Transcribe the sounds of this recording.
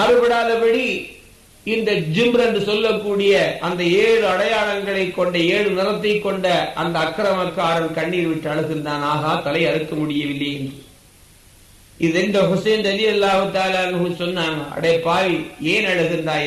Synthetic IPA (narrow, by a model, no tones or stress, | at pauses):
ɐɾɯpɐɽaːlɐpɐɽi | ɪnd̪ɐd͡ʒɪmɾɛndɯsɔlːɐkːuːɽɪjɐʔɐnd̪ɐeːɻɯɐɽɐjaːɭɐŋɡɐɭɐɪkːɔɳɖɐeːɻɯnɪrɐt̪ːɐɪkːɔɳɖɐʔɐ̰nd̪ɐːkːɾɐmɐkːaːɾɐmkɐɳːiʋɪʈːɐɭɯɣɯnd̪aːnaːɣaːt̪ɐlɐɪɐɾɯkːɐmʊɽɪjɐʋɪlːɐjɛndrɯ | ʔɪðɛnd̪ɐɦʊseːnd͡ʒɐlɪjɐlːaːhɯt̪aːlaːɐnɯɯsɔnːaːŋɐɐ̰ɽɐpːaːʋieːnɐɻɯɣɯnd̪aː